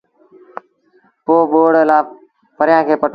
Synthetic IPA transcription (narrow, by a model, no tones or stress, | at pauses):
poːɓoːɽlaː | pəɾɪjãːkʰeːpəʈ